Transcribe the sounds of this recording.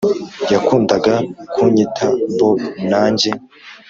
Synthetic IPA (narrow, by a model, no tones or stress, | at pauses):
jakuːndaɡakʰuɲitʰambonaːɲɟe